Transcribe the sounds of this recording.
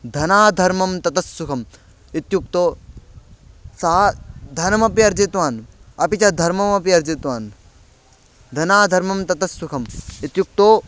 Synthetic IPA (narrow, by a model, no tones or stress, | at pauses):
d̪ʱɐnaːd̪ʱɐɾmɐmt̪ɐt̪ɐsːukʰɐm | it̪juk̚t̪oː | saːd̪ʱɐnɐmɐpiɐɾd͡ʒit̪ʋaːnɐpit͡ʃɐd̪ʱɐɾmɐmɐpiɐɾd͡ʒit̪ʋaːn | d̪ʱɐnaːd̪ʱɐɾmɐmt̪ɐt̪ɐsːukʰɐmit̪juk̚t̪oː